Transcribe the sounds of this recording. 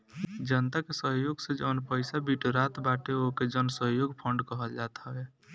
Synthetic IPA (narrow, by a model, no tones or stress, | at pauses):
d͡ʒənt̪akesəɦjoɡsẽd͡ʒənpəjsabiʈɾat̪baʈeoked͡ʒənsəɦjoɡpʰəɳɖkəɦəld͡ʒat̪ɦəe